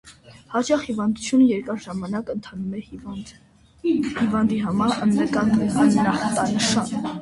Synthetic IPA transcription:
hɑt͡ʃɑχhivɑnd̪ut͡sʰjunəjɛɾkɑɾʒɑmɑnɑkənt̪ʰɑnumɛ | hivɑnd̪iɦɑmɑɾənɾəkɑnɡ̪ɛkɑnːɑχt̪ɑnəʃɑn

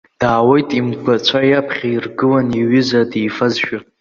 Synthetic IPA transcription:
d̥aːwejtʼimɡʷat͡ʃʷʰajapʰχʲairɡɨlaniɥɪzadejfazʃᶣa

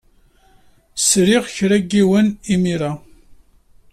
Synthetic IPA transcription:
sɾɪʁçɾæɡːiwənimiɾa

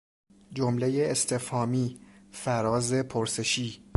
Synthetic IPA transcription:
d͡ʒomle̞jeest̪ʰefhɒːmiːfæɾɒːze̞pʰoɾse̞ʃiː

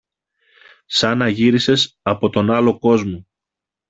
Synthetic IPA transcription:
sɐnɐʝiɾise̞s | ɐpo̞t̪o̞nɐlo̞ko̞zmo

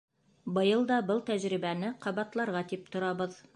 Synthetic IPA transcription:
bɤ̆jɤlˠd̪ɑbɤlˠt̪æʑɾiβænɘqɑβɑt̪lˠɑɾʁɑt̪ip̚t̪ŏɾɑβɤð

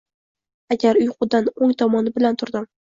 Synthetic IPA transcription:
aɡʲaɾʊjqʊd̪anoŋt̪ʰɒmɒnɪbɪlant̪ʰʊɾd̪ɪm

